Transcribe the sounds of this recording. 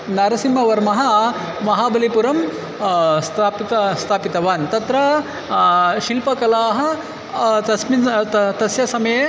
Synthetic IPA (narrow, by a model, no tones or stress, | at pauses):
naːɾɐsimːɐʋɐɾmɐɦɐ | mɐɦaːbɐlipuɾɐm | st̪ʰaːpit̪ɐst̪ʰaːpit̪ɐʋaːnt̪ɐt̪ɾɐ | ʃilpɐkɐlaːɦɐ̆ | t̪ɐsmit̪ɐsjɐsɐmɐje